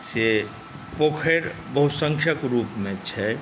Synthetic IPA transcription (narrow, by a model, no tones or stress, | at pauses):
se | poːkʰeɾbəɦʊsə̃ŋkʰəkɾuːpmẽt͡ʃʰɛ